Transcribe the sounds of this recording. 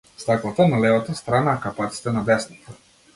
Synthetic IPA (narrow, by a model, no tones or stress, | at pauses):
st̪aklˠat̪analɛvat̪ast̪ɾanaːkapat̪si̥t̪ɛnad̪ɛsnit̪a